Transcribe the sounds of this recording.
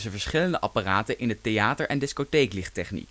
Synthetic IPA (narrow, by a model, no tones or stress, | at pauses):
səvəɹsχɪləndəʔɑpaːraːtənʔɪnɦətejaːtəɹʔɛndɪskotejklɪχtɛχnḭk